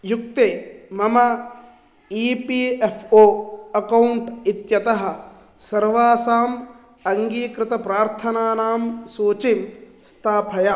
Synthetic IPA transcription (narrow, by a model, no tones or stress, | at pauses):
juk̚t̪eːmɐmɐ | iːpiːefʰoːɐkɐwɳʈit̪jɐt̪ɐɦɐ̆ | sɐɾʋaːsaːm | ɐŋɡiːkɾɪt̪ɐpɾaːɾt̪ʰɐnaːnaːmsuːt͡ʃim | st̪ʰaːpʰɐjɐ